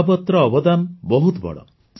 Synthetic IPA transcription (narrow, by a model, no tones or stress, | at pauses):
bɔt̪ɾɔːbɔd̪anɔbɔɦut̪bɔ̰ɭɔ̰